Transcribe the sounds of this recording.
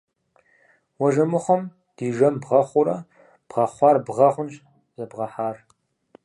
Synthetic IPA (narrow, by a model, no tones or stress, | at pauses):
wɐʒɐmɨχʷɔm | d̥iːʒɐmbʁɐχʷʊɾɐ | b̥ʁɐχʷɑːrbʁɐχʷʊnʃ | zɐbʁɐħaːr